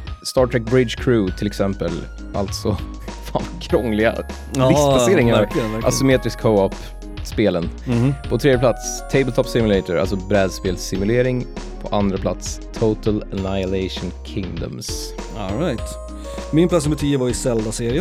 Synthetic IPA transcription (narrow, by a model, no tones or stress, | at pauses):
st̪ɑːʈʰɾɛk̚bɾɪd̪ʃkʰɾuːt̪ʰɪlɛksɛmpəl | ʔa̰lt̪sɔ | fakʰɾɔŋːlɪɡa̰ | ɾɪst̪plaseːɾɪŋaɾɪəæʔa̰sɪmeːt̪ɾɪskʰoʊɔp | speːlənpʰɔt̪ʰɾed̪jəplat̪st̪ʰeɪbəlt̪ʰɔpːsɪmʉlɛɪt̪əɾa̰sɔbɾɛːd̪speːlsɪmʉleːɾɪŋ | pʰɔʔand̪ɾapʰla̰t̪st̪ʰot̪ələnaɪjəleɪʂʊnkʰɪŋd̪ə̰ms | ɔɾajt̪ | mɪnpʰlat̪s̬mbət̪ʰiːəvaɪsɛld̪aseːɾɪə